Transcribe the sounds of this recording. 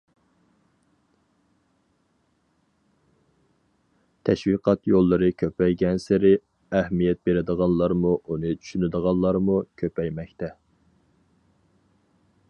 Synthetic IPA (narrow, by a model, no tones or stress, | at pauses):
t̪ʰɛʃwiqʰɑt̪jolˠːɨɾɨkʲʰøpʰɛjɡʲɛnsɪɾɪ | ɛhmijɛt̪̚beɾɪd̪əʁɑnlˠɑɾmuʔunɨt͡ʃʰy̥ʃynɪd̪əʁɑnlˠɑɾmukʲʰøpɛjmɛkʲt̪ɛ